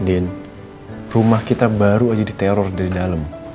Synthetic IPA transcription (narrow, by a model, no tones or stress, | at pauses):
dɛn | rumahkit̪abaɾuad͡ʒadit̪ɛɾɔrdaɾidaləm